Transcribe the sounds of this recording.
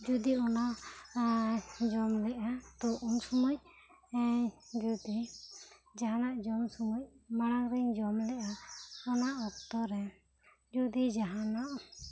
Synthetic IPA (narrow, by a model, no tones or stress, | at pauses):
d͡ʒud̪iɔna | d͡ʒɔmlɛʔat̪ɔʔunsɔmɔc | d͡ʒud̪i | d͡ʒaɦanaʔd͡ʒɔmsɔmɔc̚maɽ̃aŋɾɛɲd͡ʒɔmlɛʔaɔnaʔɔk̚t̪ɔɾɛ | d͡ʒud̪id͡ʒaɦanaʔ